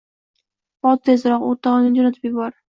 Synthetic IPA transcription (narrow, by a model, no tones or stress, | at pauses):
bɒt̪̚t̪ʰezɾɒqo̰ɾt̪ʰɑʁɑnɪnd͡ʒɒnat̪ʰɪpjɪbɒɾ